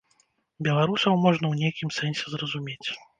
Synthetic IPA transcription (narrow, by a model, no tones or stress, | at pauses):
bʲɛlˠaɾusɐwmɔʐnɐwnʲejkʲimsɛnʲsʲɛzrɐzumʲet͡sʲ